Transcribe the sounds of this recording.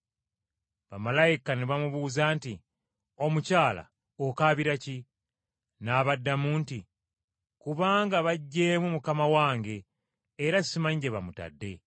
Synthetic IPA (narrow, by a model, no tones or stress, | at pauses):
βamalajikaneβamuβuːzaːnti | o̞mucaːla̰ | okaːβiɾaci | naβadːamuːnti | kuβaːŋɡaβaɟːe̞ːmumukamawaːŋɡe̞ː | ɾasimaɲɟeβamuta̰dːe̞